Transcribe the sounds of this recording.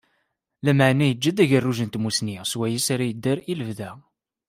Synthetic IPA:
læməʕnæjəd͡ʒːæd̪æʝərːuʒənt̪musniswæjəsaɾajəd̪ːaɾiləvðæ

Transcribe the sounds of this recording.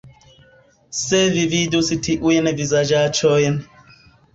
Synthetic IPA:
sevividusitʰiʔujɛnɛvizad͡ʒat͡ʃʰɔjɛn

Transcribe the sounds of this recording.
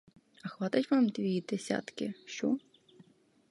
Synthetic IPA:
ɐxʋɑt̪ɐtʲʋamd̪ʋʲijid̪esʲa̰t̪kɪʃt͡ʃɔ

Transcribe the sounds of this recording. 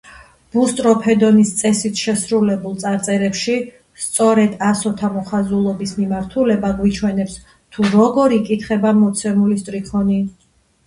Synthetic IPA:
b̥ust̪ʼɾɔpʰɛd̪ɔnist̪sʼɛsit̪ʰʃɛsɾulɛbulˠt̪ʼaɾt̪sʼɛɾɛpʃi | st̪sʼɔɾɛd̪asɔt̪ʰamɔχazulˠɔbismimaɾt̪ʰulɛbaɡwit͡ʃʰwɛnɛps | t̪ʰuɾɔɡɔɾikʼit̪ʰχɛbamɔt̪sʰɛmulist̪ʼɾikʰɔni

